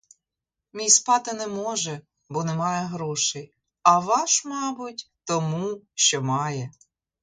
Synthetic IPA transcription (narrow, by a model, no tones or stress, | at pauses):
mʲijspɑt̪ɪnɛmɔʒɛ | bɔnɛmɑjɛɦɾɔʃɛj | ɐʋɑʃmɑbʊtʲt̪ɔmuʃt͡ʃɔmɑjɛ